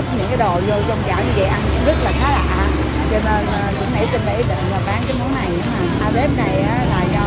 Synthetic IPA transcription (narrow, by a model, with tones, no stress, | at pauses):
ɲɨ̰˧˥ŋkaː˨˦jɗo˨˩zo˧zɔ˧wŋ͡mt͡ɕa̰ː˧˩wɲɨ˧və̰˧˨jʔa˧nkʊ̰˧˥ŋ͡mzə˦˥t̚laː˨˩xaː˨˦la̰ː˧˨˧ | t͡ɕɔ˧ne˧nː˨˩kʊ̰˧˥ŋ͡mhɛ˧˥sə˧nɓə̰˧˩˦t̪ə̰˧˨vaː˨˩ɓaː˨˦ŋkaː˨˦jmu˨˦na˨˩jʔaː˧ze˦˥p̚na˨˩jaː˨˦laː˨˩ɲɔ˧˩